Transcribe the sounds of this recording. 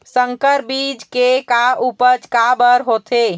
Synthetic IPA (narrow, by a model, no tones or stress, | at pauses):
səŋkəɾbid͡ʒkekaupəd͡ʒkabəɾɦot̪ʰe